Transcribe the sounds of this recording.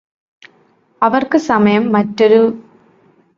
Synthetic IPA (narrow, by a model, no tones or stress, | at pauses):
ɐʋɐrkɯsɐmɐjɐmːɐʈɾɐɾɯ